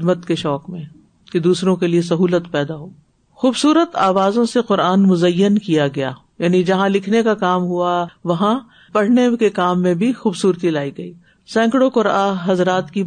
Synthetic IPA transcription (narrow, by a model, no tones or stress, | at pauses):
d̪mət̪keʃɔːkmẽ | ked̪uːsɾõkelies̬ɐɦuːlət̪pɛːd̪aɦoː | xuːbsuːɾət̪aːʋaːzõseqʊɾaːnmʊzɐjːənkijaɡɐja̰ː | jaːnid͡ʒɐɦãlɪkʰnekakaːmɦuaʋɐɦã | pɐɽ̤nekekaːmːẽbʱixuːbsuːɾt̪ilaːiɡɐiː | sɛ̃ːŋkɽokʊɾaːɦɐzɾaːt̪ki